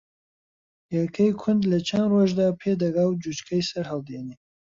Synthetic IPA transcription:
jakʰɐjkʰʊnd̪lɐt͡ʃʰɐnd̪roʒd̪apʰed̪ɐɡawd͡ʒut͡ʃkʰɐjsɐɾɦald̪ene

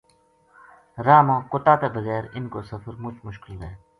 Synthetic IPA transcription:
ɾaːmãːkʊt̪aːt̪eːbəɣɛːɾɪnkoːsəfəɾmʊt͡ʃmʊʃkɪlɾeː

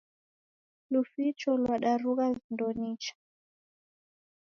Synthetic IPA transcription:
lufit͡ʃɔlwaɗaɾuɣazindɔnit͡ʃḁ

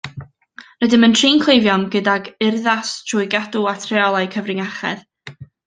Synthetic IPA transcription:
nədɪməntʰriːnkʰl̥ˠejvjɔmɡədaɡɪrðastʰrʊːjɡaduatʰrɛɔlˠajkʰəvrɪŋaχɛ̰ð

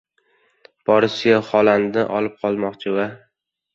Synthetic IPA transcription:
b̥ɒɾɪsɪɡʲaχɒlannɪʔɒ̰lˠɪp̚qʰɒlˠmɒqt͡ʃʰɪva

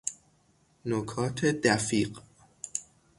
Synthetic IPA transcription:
nokʰɒːt̪ʰed̪æfiːɢ

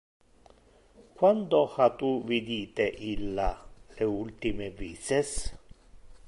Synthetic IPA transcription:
kwand̪ohat̪uvid̪iːt̪eʔilːaleult̪imeviːses

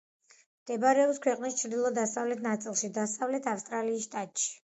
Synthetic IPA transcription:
md̪̥ɛbaɾɛɔpskʰwɛqʼnist͡ʃʰɾd̪ilˠɔd̪asavlɛt̪ʰnat̪sʼilˠʃid̪asavlɛt̪ʰafst̪ʼɾaliːsʃt̪ʼat̪ʼʃi̥

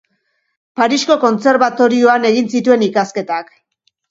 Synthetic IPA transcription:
paɾisko̞ko̞nt͡se̞ɾβat̪o̞ɾio̞ane̞ɣinsit̪ue̞nikaske̞t̪ak

